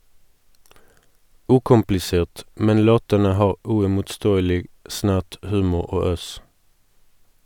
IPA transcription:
ˈʉːkʊmplɪˌseːʁt ˈmɛn ˈloːtənə ˈhɑːʁ ʉɪmʊtˈstoːəlɪɡ ˈsnæʁt ˈhʉːmʊʁ ˈoː ˈøːs

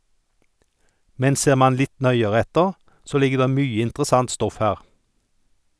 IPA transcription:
ˈmɛn ˈseːʁ ˈmɑn ˈlɪt ˈnœʏəʁɛ ˈɛtəʁ ˈsoː ˈlɪɡə ˈdeː ˈmyːə ɪntʁˈsɑnt ˈstɔf ˈhæːʁ

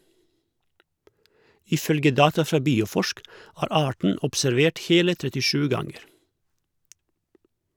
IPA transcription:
ɪˈfœlɡə ˈdɑːtɑ ˈfɾɑː ˈbiːʊˌfɔʃk ˈæːɾ ˈɑːʈɳ̩ ʊpsæɾˈʋeːʈ ˈheːlə tɾɛtɪˈʃʉː ˈɡɑŋəɾ

